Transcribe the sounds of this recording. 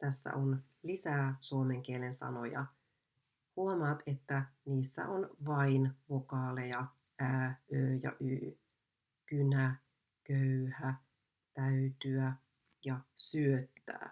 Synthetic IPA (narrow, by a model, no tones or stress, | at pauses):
t̪æsːæ̰ʔon | lisæːsuome̞ŋk̟iele̞nsɑ̰no̞̰jɑ̰ | huomɑːt̪e̞t̪ːæniːsːæ̰ʔonʋɑinʋokɑːlejɑ | æːʔøːjɑ̰ʔyː | kynæ | køhæ | t̪æyt̪yæ | jɑsyøt̪ːæ̰ː